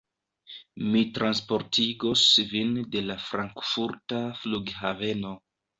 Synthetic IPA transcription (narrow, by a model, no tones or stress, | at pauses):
mitɾanspo̞ɾtʰiɡo̞svinde̞lafɾaŋkfuɾtafluɡhave̞no̞